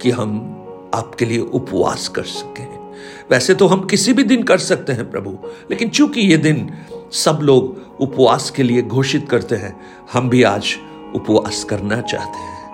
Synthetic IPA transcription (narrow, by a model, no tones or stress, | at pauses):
kiɦɐm | aːpkelieʔʊpʋa̰ːskɐ̰ɾsɐ̥kẽɦɛ̃ | ʋɛːset̪oɦɐmkɪsibʱid̪ɪnkɐɾsɐk̚t̪eɦɛ̃pɾɐ̰bʱuleːkɪnt͡ʃjũːkijed̪ɪnsɐbloːɡ | ʊpʋaːskelieɡʱoːʃɪt̪kɐɾt̪eɦɛ̃ː | hɐmbʱiaːd͡ʒ | ʊpʋa̰ːskɐɾnat͡ʃa̰ːɦt̪eɦɛ̃ː